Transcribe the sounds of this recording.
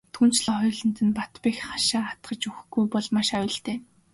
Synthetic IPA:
t̪ʰun̥t͡ɕɮɔːχʊjɮə̆nt̪ɘ̆npat̪pixχaʃaːat̪ɢə̆t͡ɕuxɡujpɔɮmaʃawʲɪ̆ɮt̪eː

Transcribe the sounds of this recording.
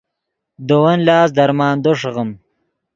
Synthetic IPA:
d̪owɐnlɑːsd̪ɐɾmɑːnd̪oʂʁəm

